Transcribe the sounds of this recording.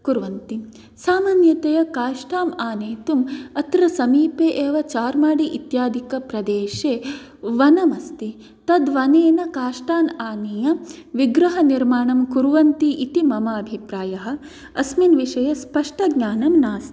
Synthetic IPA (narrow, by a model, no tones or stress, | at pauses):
kuɾʋɐnt̪i | saːmaːnjɐt̪ejɐkaːʂʈaːmaːneːt̪umɐt̪ɾɐsɐmiːpeːʔeːʋɐt͡ʃaːɾmaːɽiʔit̪jaːd̪ʱikɐpɾɐd̪eːʃeː | ʋɐnɐmɐst̪i | t̪ɐd̪ʋɐneːnɐkaːʂʈaːnaːnijɐ | ʋiɡɾɐɦɐniɾmaːɳɐmkuɾʋɐnt̪iʔit̪imɐmaɐbʱipɾaːjɐɦɐ̆ | ɐsminʋiʂɐjɐspɐʂʈɐɡɲaːnɐmnaːst̪i